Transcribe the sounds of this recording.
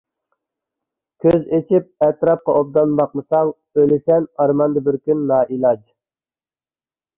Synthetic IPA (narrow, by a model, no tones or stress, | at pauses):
kʲʰøzet͡ʃʰip̚ɛt̪ɾɑp̚qɑʔob̚d̪ɑnbɑq̚mɨsɑŋ | ølɪsʲɛnɑɾmɑnd̪ɨbɪɾkʲynːɑːʔilˠɑd͡ʒ